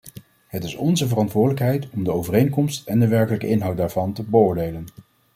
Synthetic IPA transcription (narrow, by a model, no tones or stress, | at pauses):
ɦətɪsɔnzəvərɑntʋʊːɹdələkɦɛjtɔmdəowvərejŋkɔmstɛndəʋɛɹkələkəʔɪnɦɑwtdaːɹvɑntəbəʊːɹdejlən